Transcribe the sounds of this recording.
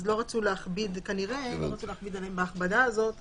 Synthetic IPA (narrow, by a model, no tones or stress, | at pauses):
zlo̞ʁat͡suleaχbid̪kaniʁe̞lo̰ʁat͡suleaχbid̪alembaːχbadaːzo̞t̪